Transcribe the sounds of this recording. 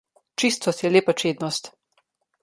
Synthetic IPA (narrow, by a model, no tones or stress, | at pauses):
t͡ʃist̪ɔst̪jɛleːpat͡ʃeːd̪nɔst̪